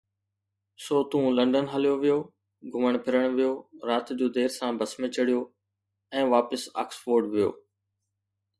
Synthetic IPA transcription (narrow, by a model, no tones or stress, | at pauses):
soːt̪ũlɐ̃ɳɖənɦəlijoʋɪjoː | ɡʱʊməɽ̃pʰɪɾəɽ̃ʋijoːɾaːt̪d͡ʑoːd̪eːɾsãːbɐsmẽt͡ɕɐɽijoː | ɛ̃ːʋaːpəsa̰ːksfoːɾɖʋɪjo̰ː